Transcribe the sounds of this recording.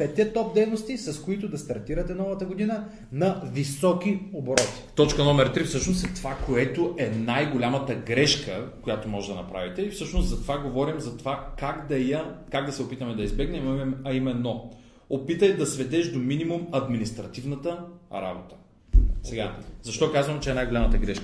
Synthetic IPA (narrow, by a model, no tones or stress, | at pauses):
pɛt̪ɛt̪ɔp̚d̪ɛjnost̪isɐskoit̪ʊd̪ɐst̪ɐɾt̪iɾɐt̪ɛnɔvɐt̪əɡod̪inə | nɐvisɔkiobɾɔt̪i̥t̪ɔt͡ʃkənɔmɛɾt̪ɾifsɤʃnosɛt̪ovakoɛt̪oʔɛnajɡolʲamət̪əɡɾɛʃkəkojat̪omɔʒɛd̪ɐnɐpɾa̰vit̪ɛifsɤʃnost̪zɐt̪ovaɡovɔɾimzɐt̪ovakaɡd̪ɐjɐkaɡ̚d̪ɐsɛopit̪əmɛd̪ɐizbɛɡnɛmɐimɛnːo | opit̪əjd̪ɐsvɛd̪ɛʒd̪ominimumɐd̪minist̪ɾɐt̪ivnət̪əɾa̰bot̪ə̥ | sɛɡazɐʃt̪ɔkazvəmt͡ʃɛɛnajɡolamət̪əɡɾɛʃkə